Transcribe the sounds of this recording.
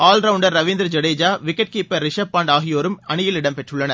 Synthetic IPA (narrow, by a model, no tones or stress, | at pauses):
aːlɾɐʊɳɖɐɾɾɐʋɪnd̪ɾd͡ʒɐɽeːd͡ʒaːʋɪkːɛʈ̚kɯɪpːɐɾɪʂɐpːaːɳɖaːɣɪjoːɾɯmɐɳɪjɪlɪɽɐmpɛʈrɯɭːɐnɐ